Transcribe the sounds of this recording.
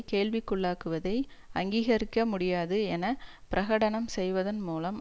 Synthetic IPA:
keːɭʋɪkːɯɭːaːkɯʋɐðɐɪɐŋɡiːɣɐɾɪkːɐmʊɽɪjaːðɯɛnɐ | pɪɾʔɐɣɐɽɐnɐmsɛjʋɐðɐnmuːlɐm

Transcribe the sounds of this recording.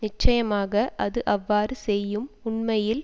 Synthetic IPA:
nɪt͡ʃːɐjɐmaːɣɐʔɐðɯʔɐʋːaːɾɯsɛjːɯmʊɳmɐjɪl

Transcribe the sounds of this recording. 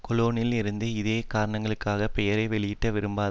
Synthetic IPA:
kɔloːnɪlɪɾɯnd̪ɯɪðeːkaːɾɐɳɐŋɡɐɭɯkːaːɣɐpɛjɐɾɐɪʋɛɭɪjɪʈːɐʋɪɾɯmbaːð

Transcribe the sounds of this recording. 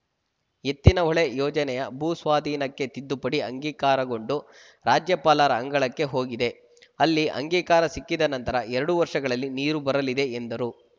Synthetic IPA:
e̞t̪ːinɐɔɭejɔːd͡ʒɐnɛjɐbʱuːsʋaːd̪ʱiːnɐkːe̞t̪id̪ːupɐɽiɐŋɡiːkaːɾɐɡo̞ɳɖu | ɾaːd͡ʒjɐpaːlaːɾɐːŋɡɐɭɐkːe̞ɦo̞ːɡid̪e̞ | ɐlːiʔɐ̰ŋɡiːkaːɾɐsikːid̪ɐnɐnt̪ɐɾɐʔɛɾɐɽuʋɐɾʂɐɡɐɭɐlːiniːɾubɐɾɐlid̪e̞end̪ɐɾu

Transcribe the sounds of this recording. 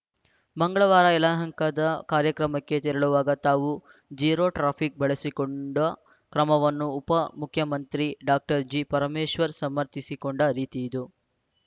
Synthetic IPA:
mɐŋɡɐɭɐʋaːɾɐɛlaːɦɐŋkɐd̪ɐkaːɾjɐkɾɐmɐkːe̞t̪iɾɐɭuʋaːɡɐt̪aːʋu | d͡ʒiːɾoːʈɾaːpʰik̚bɐɭesikoɳɖɐ | kɾɐmɐʋɐnːuːpɐmukʰjɐmɐnt̪ɾiɖaːk̚ʈɐɾd͡ʒipɐɾɐmeːʃʋɐɾsɐmːɐɾt̪isiko̞ɳɖɐɾiːt̪iid̪u

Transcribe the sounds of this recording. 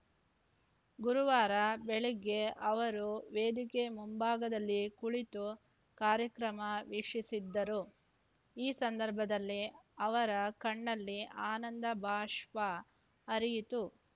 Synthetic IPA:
ɡuɾuʋaːɾɐbeɭiɡe̞ʔɐʋɐɾuʋeːd̪ikemumbaːɡɐd̪ɐlːikuɭit̪u | kaːɾjɐkɾɐmɐʋikʂisid̪ːɐɾu | iːsɐnd̪ɐɾbʱɐd̪ɐlːiɐʋɐɾɐkɐɳːɐlːiʔaːnɐnd̪ɐbʱaːʂʋa | ɐɾijit̪u

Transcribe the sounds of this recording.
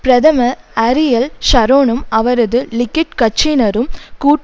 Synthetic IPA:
pɾɐðɐmɐ | ɐɾɪjɐlʃɐɾoːnɯmɐʋɐɾɐðɯlɪkːɪʈkɐt͡ʃːinɐɾɯmkuːʈ

